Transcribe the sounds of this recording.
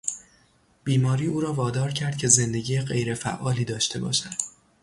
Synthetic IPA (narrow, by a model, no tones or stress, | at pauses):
b̥iːmɒːɾiːuːɾɒːvɒːd̪ɒːɾcʰæɾd̪̚cʰe̞ze̞nd̪eɟiːjeɢe̞jɾe̞fæ̰ʔːɒːliːd̪ɒːʃt̪e̞bɒ̰ːʃænd̪̥